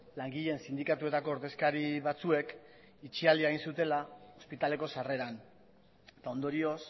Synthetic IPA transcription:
laŋɡiʎensind̪ikat̪ue̞t̪ako̞ːɾðe̞skaɾiβat͡sue̞k | it͡ʃiald̪iaeɣinsut̪e̞lao̞spit̪ale̞ko̞sare̞ɾan | t̪ao̞nd̪o̞ɾio̞s

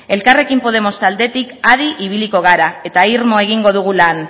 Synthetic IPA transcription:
e̞lkare̞kimpo̞ðe̞mo̞st̪ald̪e̞t̪ikaðiʔiβ̞iliko̞ɣ̞aɾae̞t̪aiɾmo̞e̞ɣ̞iŋɡo̞ð̞uɣ̞ulan

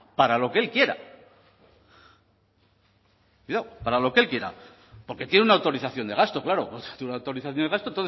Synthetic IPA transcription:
paɾalo̞keelkje̞ɾa̰ | kwuiðawpaɾalo̞keelkje̞ɾa̰ | poɾke̞t̪jeneunawt̪o̞ɾiθaθjo̞nd̪e̞ɣast̪o̞klaɾo̞̰t̪t̪unawt̪o̞ɾiθaθjone̞ast̪ont̪oθ

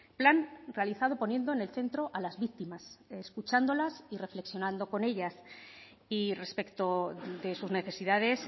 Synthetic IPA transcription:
planre̞aliθað̞o̞po̞njẽ̞nd̪one̞lθe̞nt̪ɾo̞ʔalazβik̚t̪imaseskut͡ʃand̪o̞lasire̞fle̞ksjo̞nãnd̪o̞ko̞ne̞ʎas | ire̞spe̞kt̪o̞ðe̞suzne̞θe̞siðaðe̞s

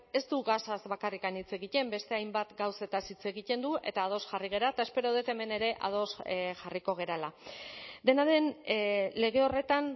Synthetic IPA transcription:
e̞st̪uɣasazβakarikanit͡se̞ɣic̪e̞mbe̞st̪e̞ajmbat̪ɡawse̞t̪asit͡se̞ɣic̪e̞nd̪uʔe̞̰t̪aːð̞o̞sʝariɣ̞e̞ɾaet̪ae̞spe̞ɾo̞ðet̪e̞me̞ne̞ɾe̞ʔa̰ð̞o̞sʝariko̞ɣ̞e̞ɾala | d̪e̞naðe̞nle̞ɣe̞o̞re̞t̪an

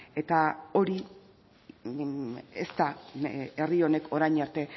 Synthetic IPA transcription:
e̞t̪ao̞ɾi | est̪aerio̞ne̞kʰo̞ɾajɲaɾt̪e̞

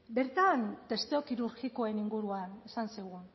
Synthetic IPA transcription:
be̞ɾt̪ant̪e̞st̪eo̞kiɾuɾɣiko̞e̞niŋɡuɾuanesansiɣ̞un

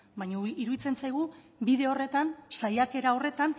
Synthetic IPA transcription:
bajɲaiɾuðit͡se̞nt͡sajɣ̞u | biðe̞o̞re̞t̪ansajake̞ɾao̞re̞t̪an

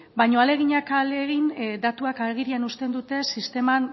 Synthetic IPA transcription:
bajɲo̞ale̞ɣ̞iɲakaleɣind̪at̪uakaɾɣ̞iɾianust̪e̞nd̪ut̪e̞sist̪e̞man

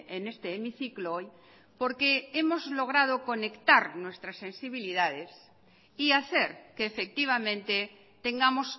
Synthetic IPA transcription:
enest̪eːmiθiklooj | po̞ɾkeemozlo̞ɣ̞ɾað̞oko̞ne̞kt̪aɾnwe̞st̪ɾasːẽ̞nsiβ̞iliðað̞es | iaθeɾkeːfek̚t̪iβ̞amẽnt̪e | t̪e̞ŋɡamos

